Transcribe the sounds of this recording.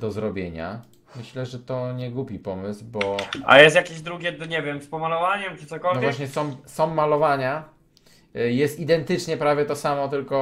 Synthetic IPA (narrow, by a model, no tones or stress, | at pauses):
d̪̥ɔzɾɔbʲjeɲa̰ | mɘɕlɛʐɛt̪ɔɲɛɡupʲipɔmɘsbɔʔa̰jɛst̪jakʲeʑd̪ɾuɡʲɛd̪ɲɛvʲjɛmspɔmalɔvaɲɛmt͡ʂɨsɔkɔlnɔvʲwaaɕɲɛsɔ̃msɔ̃wmːalɔvaɲa | jɛst̪id̪ɛnt̪ɘt͡ʂɲɛpɾavʲjɛt̪ɔsamɔt̪ɘlkɔ